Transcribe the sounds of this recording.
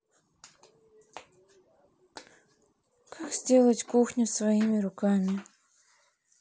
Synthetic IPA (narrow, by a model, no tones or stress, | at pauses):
kʰakz̥ʲdʲe̞lˠətʲkuxnʲʊsvɐimʲɪɾʊkamʲɪ